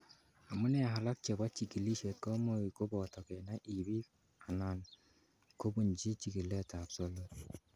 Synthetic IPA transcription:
a˨mu˦nɛ˦a˨ɦa˨la˦k̚t͡ʃɛ˨ba˦t͡ʃi˨ki˨li˦ʃe˨t̚kɔ˦mo˦i˨ko˦bɔ˨tɔ˨kɛ˨na˦ʔi˨bi˦ | a˨na˨n | ko˦bu˨nd͡ʒi˦t͡ʃi˨ki˨le˦˨ta˨pso˦lo˦t

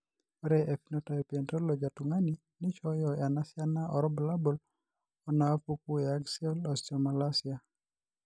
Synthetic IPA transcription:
ɔɾɛʔe˨finɔta˨jpɛ˨ntɔ˦lɔ˨d͡ʒa˨tuŋa˦ni | nɪ˦t͡ʃɔ˦jɔ˨ja˨nasjanaʔɔ˨ɾɔ˦bla˦bɔ˨l | ɔ˨naa˦puk̚u˦jaɡsiɔ˦lɔsɔma˨lasja˨

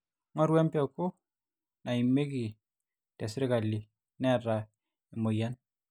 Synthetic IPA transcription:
ŋɔ˦ɾwɛ˦mpɛ˦˨ko˦ | na˨i˨mːe˦ki˨ | tɛ˨sɾe˦ka˨li˨ | nɛ˦˨ɾa˨ | i˨mo˨ja˦n

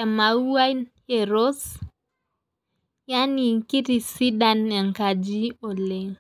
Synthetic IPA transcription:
ɛ˨ma˨u˦a˦n | ɛ˨ɾo˦s | ja˦ni˨ki˦ti˨si˦da˨nːɛ˨ŋka˨d͡ʒi˦o˨le˨ŋ

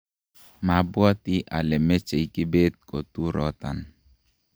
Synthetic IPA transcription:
ma˨bwɔ˦tɪ˦ʔa˨lɛ˨mɛ˦t͡ʃe˨jkɪ˦be˦t̪̚ko˨t̪u˦ɾɔ˦t̪a̰˨n

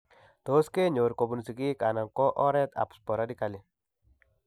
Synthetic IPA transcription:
t̪o˦ske˦ɲo˨ɾko˨bu˨nsi˨ki˦ka˨na˨nkɔ˦ʔɔ˦ɾɛ˦t̪a̰˨pspɔ˨ɾadi˦ka˨li

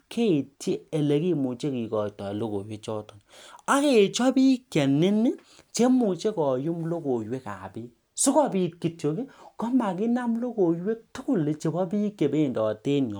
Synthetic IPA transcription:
kʰe˦i˨ti˦e˨le˨ki˦mu˨t͡ʃe˦ki˨kɔ˨tɔ˨lo˦ko̰˨jwe˦t͡ʃɔ˦tɔ˨na˦ke˨t͡ʃɔ˦bi˦kjɛ˨nɪ˦ni˦ | t͡ʃe˦mu˨t͡ʃe˦kɔ˨ju˦mlo˦ko˨jwe˦ka̰˨bi˦ | su˦kɔ˦bi˨t̚ki˨tjo˨ke˦kɔ˦ma˨ki˦na˦mlo˦ko˨jwe˦k̚tu˦ku˦le˨t͡ʃe˨bɔ˦bi˦kːe˨be˦˨ndɔ˨te˦nɲɔ˨

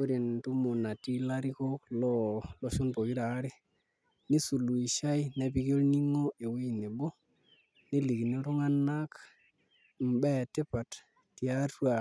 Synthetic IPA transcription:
o˦ɾi˨ntu˦mu˨na˨ti˦la˦ɾi˦ko˦klo˦lo˦ʃu˦npo˨ɡi˦ɾa˨˦ɾi˦ | ni˦su˨lu˨i˨ʃa˦i˦na˨bi˦ɡo˦lni˦ŋo˦e˨we˦i˨ne˨bo˦ | ni˦li˨ɡni˦ɾu˦ŋa˦nːa˦k | m̩˨ba˦˨te˦pa˨t | ti˨a˦tu˦a˨

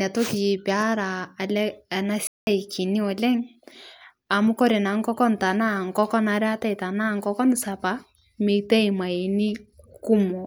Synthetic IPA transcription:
ɛ˨to˦ki˨pa˦ɾaː˨lɛ˦˨na˦sa˦i˨ki˨ni˦ɔ˨lɛ˦ŋ | a˨mʊ˦kɔ˦ɾe˨na˨ŋ˦kɔ˦kɔ˦n˨ta˨na˦˨ŋ̩˨kɔ˦kɔ˦na˨ɾɛ˦a˦tɛ˦i˨ta˨na˦˨ŋ˨kɔ˦kɔ˦n˨sa˨pa˨˦ | me˨tɛ˦i˨ma˨e˨ni˦ku˦mɔ˨

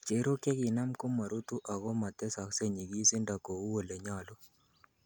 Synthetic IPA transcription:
t͡ʃe˨˦ɾo˦ke˦kɪ˨na˦mko˦ma˨ɾu˦t̪u˦ʔa˨ɣɔ˦ma˨t̪e˦sa˨kse˦ɲi˨ɡi˦si˦nda˨ko˨u˦wo˨le˨ɲa˦˨lɔ˦

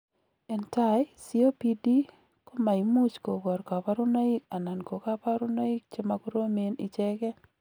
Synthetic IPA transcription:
ɛ˨nta˦jsi˦o˦pi˦di˦ | ko˦ma˨i˨mu˦t͡ʃko˨ɡɔ˨ɾka˨pa˦ɾʊ˦na˦i˦ka˨na˨nko˨ka˦pa˦ɾʊ˦na˦i˦k̚t͡ʃe˦ma˦ku˦ɾo˦me˦nɪ˨t͡ʃɛ˦kɛ˦

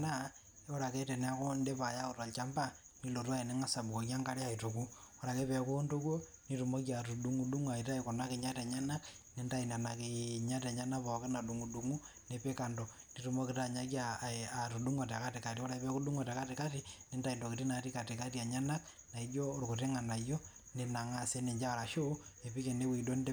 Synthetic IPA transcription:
na˦ | o˦ɾa˨kɛ˦tɛ˨nea˦ko˦nde˦pa˨ja˦ko˨twa˨lt͡ʃa˦mba˦ | ni˦lo˨tu˦a˦e˨ne˦ŋa˦sa˨bu˨ko˨k̬ja˦ŋɡa˦ɾe˦a˨i˨to˨ku˦o˦ɾa˨ke˦pɛ˨ko˦nto˦kwo˦ | ni˦tu˨mo˦k̬ia˨tu˨du˦ŋu˦du˦ŋa˨i˨ta˦ikɔ˨na˦ke˨ɲa˦tɛ˨ɲa˦na˦k | ne˦nta˦i˨na˨na˨keɲa˦ta˨ɲa˦na˦pɔ˨ka˦na˨du˨ŋu˨du˦ŋu˦ | nepe˦ka˨ndo | ni˦tumo˦ki˨taɲa˦k̬jaa˨tu˨du˦ŋa˨ta˨ka˦te˨ka˨ti˦wo˦ɾa˨e˦pɛ˦ku˦du˦ŋo˨ta˨ka˦te˨ka˦ti˦ne˦ndai˨ndo˨kiti˦na˨ti˦ka˨ti˨ka˦tia˨ɲa˦na˦k | na˨i˦d͡ʒo˦o˦ɾu˨ku˨te˦ŋa˨na˨jo˦ | ne˨na˨ŋa˦se˦ne˨ɲd͡ʒa˦˨ɾa˨ʃo˦ne˨pi˦ke˨ne˦wi˨do˦n˦d

